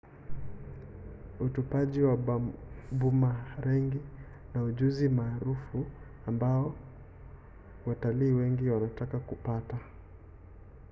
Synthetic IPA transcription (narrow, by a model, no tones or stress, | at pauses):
utupaʄiwa | bumaɾɛŋɡi | nauʄuzimaːɾufu | ambaɔ | wataliːwɛŋɡiwanatakakupata